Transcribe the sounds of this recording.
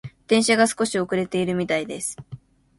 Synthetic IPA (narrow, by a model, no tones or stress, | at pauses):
d̪̥ẽɕaɡasɨ̥ko̞ɕio̞kɯ̟ɾe̞t̪e̞iɾɯ̟mʲit̪aid̪e̞sɨ̥